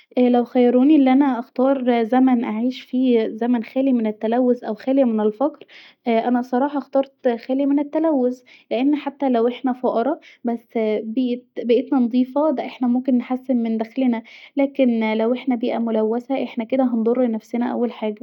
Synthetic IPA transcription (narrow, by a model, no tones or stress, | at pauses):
ʔæːlæwxæjːɑɾˤoːniʔelːiʔænæʔɑxt̪ɑːɾˤzæmænʔaʕiːʃfiːzæmænxæːlimenet̪ːælæwːosʔæwxæːlejmenelfɑkɾ | ʔʔænæsˤɑɾˤɑːħɑʔxt̪ɑːɾˤt̪xæːlimenet̪ːælæwːozleʔenːħat̪ːælæwʔeħnæfɑʔɑɾˤɑbæsːbiːʔet̪bæʔet̪nænd̪ˤiːfɑd̪æʔeħnæmomkenːħasːemmend̪æxlenælæːkenlæwʔeħnæbiːʔæmolæwːæsæʔeħnæked̪æɦɑnd̪ˤoɾˤlenæfsenæʔæ̰wːælħaːɡæ